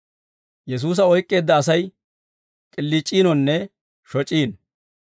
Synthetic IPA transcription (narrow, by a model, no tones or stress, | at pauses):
jɛs̬uːs̬ɐɔjkʼːe̞ːd̪ːɐːs̬ɐj | kʼɪlːiːt͡ʃʼːiːnɔnːɛ | ʃɔt͡ʃʼiːn